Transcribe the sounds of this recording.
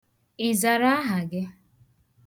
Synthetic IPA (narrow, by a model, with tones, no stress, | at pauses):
i˨za˨ɾa˦a˦ɦa˨ɡɪ˦